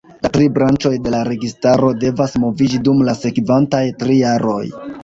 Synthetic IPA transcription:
latɾibɾant͡ʃo̞jde̞laɾe̞ɡistaɾo̞de̞vasmo̞vid͡ʒidumlase̞kvantajtɾijaɾo̞̰j

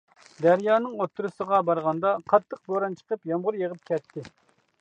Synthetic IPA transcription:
d̪æɾjɑːnɨŋot̪ʰːuɾusəʁɑbɑɾʁɑnd̪ɑqʰɑt̪ʰːəq̚boɾɑnt͡ʃʰə̥qəpjɑmʁʊɾjeʁəp̚kʲʰɛt̪ʰːɪ

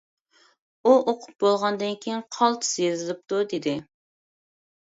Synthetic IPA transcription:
uʔoqʰʊ̥p̚bolˠʁɑnd̪ɨnkʲʰejiŋqʰɑlˠt̪ʰɨ̥sjeɾzɨlɪp̚t̪ud̪ed̪ɪ

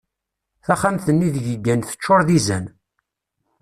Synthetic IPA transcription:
θæχamθənːiðʝəɡːænθə̥t͡ʃːʊɾˤðizæn

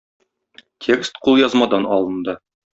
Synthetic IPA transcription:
tʲʰe̞kst̪qulˠjɒzmɑd̪ɑnɒlˠɤ̆nd̪ɤ

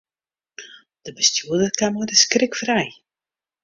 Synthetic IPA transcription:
d̥əbəstjuədərkamədəskrɪkfrɛj

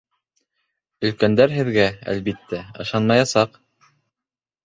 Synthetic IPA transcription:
ɵ̆lkænd̪æɾɦɘ̆ðɡææ̰lβit̪ːæɤ̰̆ʃɑnmɑjɑsɑq

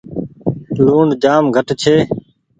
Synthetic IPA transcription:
luːɳɖd͡ʒaːmɡʱəʈt͡ʃʰeː

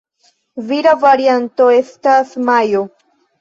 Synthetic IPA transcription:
viɾavaɾiant̪oe̞st̪asmajo

